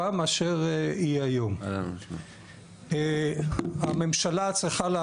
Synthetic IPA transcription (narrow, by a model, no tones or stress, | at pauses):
amaʃeʁiajo̞m | hamemʃalat͡sʁiχale